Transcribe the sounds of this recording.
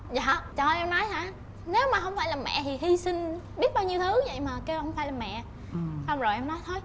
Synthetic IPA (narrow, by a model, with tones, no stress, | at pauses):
za̰ː˧˨˦t͡ɕɔː˧˩˨ʔɛ˧mnɔ˨˦jhaː˧˩ | ne˨˦wmaː˨˩ɦə˧wŋ͡mfaː˧jlaː˨˩mɛ̰˧˨t̪ʰi˨˩ɦi˧sï˧nɓi˦˥ət̚ɓaː˧wɲi˧wt̪ʰɨ˨˦˨və̰˧˨jmaː˨˩ke˧hə˧wŋ͡mfaː˧jlaː˨˩mɛ̰˧˨ | sa˧wŋ͡mzo˨˩jʔɛ˧mnɔ˨˦jt̪ʰo˨˦j